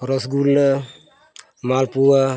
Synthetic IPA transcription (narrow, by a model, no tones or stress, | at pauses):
ɾɔsɡulna | malpua